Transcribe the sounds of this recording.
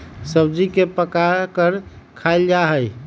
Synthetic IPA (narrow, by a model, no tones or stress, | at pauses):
səbd͡ʒikepəkaɾkəɾkʰaɪld͡ʒaɦəj